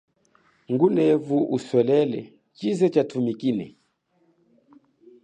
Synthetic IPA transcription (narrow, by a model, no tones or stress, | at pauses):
ŋɡunɛvuʔuswɛlɛlɛ̰ | t͡ʃizɛt͡ʃatumikinɛ̰